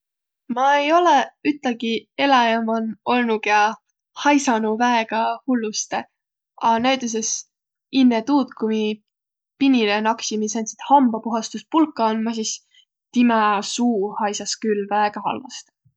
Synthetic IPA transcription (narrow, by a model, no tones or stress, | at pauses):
mɑejo̞leyt̪ːˑɑɡie̞lɑjɑmɑno̞lnuɡɑ | hɑjsɑnuvæeɡ̥ɑhulːust̪e | ɑnæjt̪us̬es | inːet̪uːt̪kumi | pinʲilenɑksimisɑnʲt̪si̥t̪hɑmbɑpuɦɑst̪uspulkːˑɑonmɑs̬is | t̪imɑsuːhɑjsɑskylːvæeɡ̥ɑɦɑ̰lvɑst̪